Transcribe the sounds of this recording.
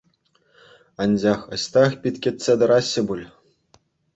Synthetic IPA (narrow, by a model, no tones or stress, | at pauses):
ɑnʲd͡ʑɑxɤ̆ɕt̪ɑxpʲit̪ʲkʲet̪ʲsʲed̪ɤ̆ɾɑɕːɘ̆bulʲ